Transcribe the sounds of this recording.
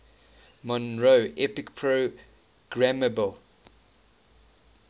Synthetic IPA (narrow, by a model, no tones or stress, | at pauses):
mɔ̃nɹoʔɛpɪkpʰɹo | ɡ̥ɹaməbəl